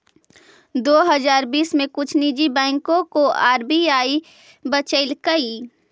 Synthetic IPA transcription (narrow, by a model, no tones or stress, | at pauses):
d̪oːɦɐzaːɾbiːsmẽkʊt͡ʃʰnid͡ʒibɛ̃ːŋkõkoaːɾbiaːi | bət͡ʃəɪlkəi